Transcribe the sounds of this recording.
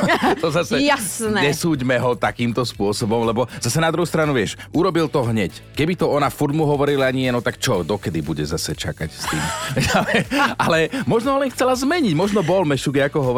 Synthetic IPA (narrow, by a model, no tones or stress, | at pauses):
t̪ɔzasɛasnɛɲɛsuːɟmɛɦɔt̪akiːmt̪ɔspʊɔsɔbɔmlɛbɔz̥asɛnad̪ɾuɦuːst̪ɾanuʋɪɛʃʔuɾɔbilt̪ɔɦɲɛckɛbit̪ɔɔnafuɾd̪muɦɔʋɔɾilaɲiɪɛnɔt̪akt͡ʃɔd̪ɔkɛd̪ibuɟɛzasɛt͡ʃakacst̪iːmʋɛalɛalɛmɔʒnɔɦɔlɛnxt͡sɛlazmɛɲiɟmɔʒnɔbɔlmɛʃuɡɛakɔɦɔ